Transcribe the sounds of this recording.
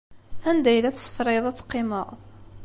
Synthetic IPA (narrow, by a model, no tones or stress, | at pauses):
ænd̪æjlæθsə̥fɾɪðˤæt͡sːqːɪməʁðˤ